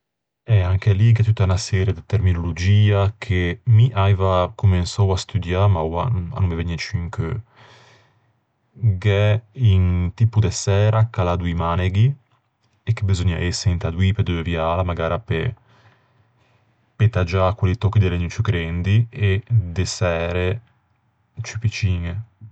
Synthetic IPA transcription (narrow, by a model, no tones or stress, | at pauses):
ɛaŋkeliɡɛt̪ut̪ːaunasɛːɾjed̪et̪eɾminolod͡ʒiːakʰemiʔajvakumensɔwast̪ud̪jamawa̰a̰numeveɲːɛt͡ʃyŋkø | ɡɛint̪ipud̪esɛːɾakalad̪uimaneɡi | ekːebezoɲːa̰ʔɛsːeint̪ad̪wiped̪uevjaːlamaɡaːɾape | pet̪ad͡ʒakwelit̪ɔkːid̪eleɲːut͡ʃukɾɛnd̪ied̪esɛːɾe | t͡ʃypit͡ʃiːŋe